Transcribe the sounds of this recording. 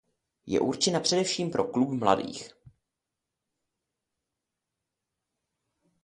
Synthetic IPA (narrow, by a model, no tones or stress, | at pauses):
jɛ̰ʔuɾt͡ʃɪnapr̝̥ɛdɛfʃiːmpɾʔo̞klupmla̰dḭːx